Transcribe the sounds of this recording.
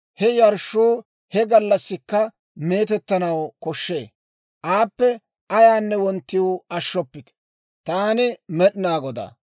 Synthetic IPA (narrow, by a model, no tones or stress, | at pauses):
hɛjɐɾʃːuː | hɛɡɐlːɐsːɪkːɐ | me̞ːt̪ɛt̪ːɐnɐwkɔʃːe̞ː | ʔaːpːɛ | ɐjaːnːɛwɔnt̪ːɪwɐʃːɔpːɪt̪ | t̪aːnɪmɛɗnaːɡɔd̪a̰ː